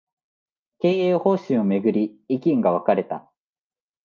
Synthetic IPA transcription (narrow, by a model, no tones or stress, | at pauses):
ke̞ːeːho̞ːɕĩɰ̃o̞me̞ɡɯ̟ɾʲiikʲĩŋɡaβ̞akaɾe̞t̪a̰